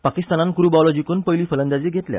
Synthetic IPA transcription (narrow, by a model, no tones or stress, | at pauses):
pakist̪anankɾubɔlɔd͡ʑikuːnpəjliːfələnd̪ad͡ʑiːɡʱet̪lja̰